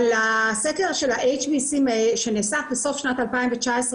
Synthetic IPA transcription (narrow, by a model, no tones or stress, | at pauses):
laseke̞ʁʃelaʔejt͡ʃbisimeʃeneːsakbeso̞fʃnatalpaĩɱvet͡ʃaesʁ